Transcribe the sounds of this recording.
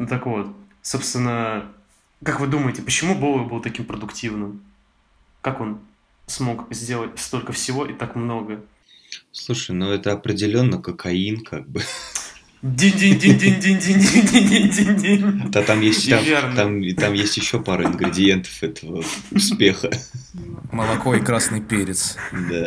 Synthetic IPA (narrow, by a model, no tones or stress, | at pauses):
t̪əkvo̞t̪so̞pst̪vʲɪnːə | kakvɨd̪uməjɪtʲɪpət͡ɕɪmubovˠəbɨlˠt̪ɐkʲimpɾəd̪ʊktʲivnɨm | kako̞n | smo̞kzʲdʲe̞lˠətʲst̪o̞lʲkəfsʲɪvo̞ʔɪt̪akmno̞ɡə | slˠuʂəɨjnoɛt̪əɐpɾʲɪdʲɪlʲo̞nːəkəkʰɐinkʰaɡ̚bɨ | dʲenʲdʲenʲdʲenʲdʲenʲdʲenʲdʲenʲdʲenʲenʲdʲenʲdʲenʲdʲenʲd̪at̪amjesʲt̪ʲamvʲent̪amt̪amjesʲtʲjɪɕːo̞paɾəɪnɡɾʲɪdʲɪje̞nt̪ə̥fɛt̪əvəʊspʲe̞xə | məlˠɐko̞ikɾasnɨjpʲeɾʲɪt̪sd̪a